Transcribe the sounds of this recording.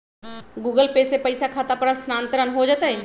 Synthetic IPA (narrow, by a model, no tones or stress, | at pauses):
ɡuɡəlpesepəɪsakʰat̪apəɾəsnaːnt̪əɾənɦod͡ʒat̪əj